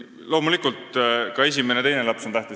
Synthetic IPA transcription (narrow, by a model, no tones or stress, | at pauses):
lo̞ːmulikˑult̪kɑe̞s̬ʲime̞ne̞t̪e̞jne̞lɑpso̞nt̪æht̪i